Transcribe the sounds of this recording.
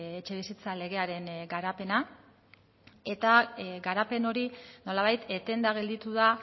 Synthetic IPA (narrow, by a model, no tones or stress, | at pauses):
et͡ʃe̞βisit͡sale̞ɣ̞e̞aɾe̞ŋɡaɾape̞na | e̞t̪aɡaɾape̞no̞ɾino̞laβajt̪et̪e̞nd̪aɣe̞ld̪it̪uða